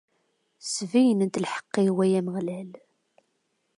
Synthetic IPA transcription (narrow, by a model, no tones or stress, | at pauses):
svijənənt̪lħə̥qːiwæjæməʁlæl